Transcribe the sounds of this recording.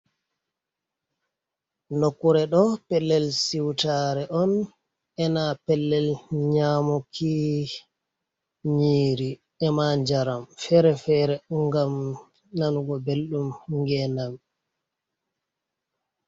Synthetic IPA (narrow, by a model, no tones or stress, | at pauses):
nokːuɾɛɗɔpɛlːɛlsiwtaɾɛʔɔn | ɛnapɛlːɛlɲaːmɔkʰi | ɲiːɾi | ɛmaɲd͡ʒaɾamfɛɾɛfɛːɾɛŋɡam | nanuɡɔbelɗumŋɡɛnam